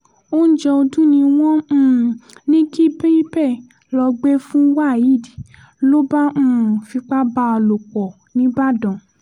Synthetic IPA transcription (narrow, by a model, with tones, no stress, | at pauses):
o˦n̩˦d͡ʒɛ˧o˧dũ˦nĩ˧w̃ɔ̃˦˨nĩ˦ki˦be˦i˦bɛ˦˨ | lɔ˧ɡ͡be˦fũ˦wa˦˨ji˨˦˨di˨ | lo˦bã˦˨fi˧k͡pa˦ba˦ɔ˧lo˨k͡pɔ˨ | nĩ˨˦ba˦˨dɔ̃˨